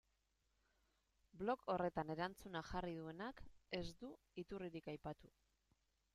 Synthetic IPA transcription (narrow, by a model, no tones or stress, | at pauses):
blo̞kʰo̞re̞t̪ane̞ɾant͡sunaxariðue̞nake̞zd̪u | it̪uriɾikajpat̪u